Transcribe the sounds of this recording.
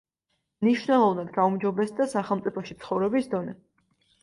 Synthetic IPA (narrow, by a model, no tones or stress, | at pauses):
mniʃwnɛlˠɔvnad̪ɡaumd͡ʒɔbɛsd̪asaχɛlˠmt̪sʼipʰɔʃit̪sʰχɔvɾɛbisd̪ɔnɛ